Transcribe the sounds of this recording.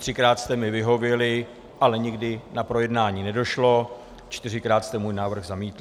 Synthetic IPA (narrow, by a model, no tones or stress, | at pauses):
t̪r̝̥ɪkɾaːt̪st̪ɛmɪvɪɦo̞vjɛlɪ | ʔalɛɲɪɡdɪnapɾo̞jɛdnaːɲiːnɛdo̞ʃlo̞ | t͡ʃt̪ɪrɪkɾaːt̪st̪ɛmuːjnaːvr̩ɣzamiːt̪l